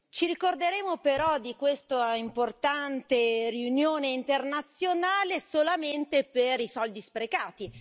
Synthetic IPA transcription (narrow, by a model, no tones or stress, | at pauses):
t͡ʃiɾikord̪eɾeːmopeɾɔd̪ikwest̪aimport̪ant̪eriunjoːneint̪ernat̪sːjonaːlesolament̪epeɾisɔld̪ispɾekaːt̪i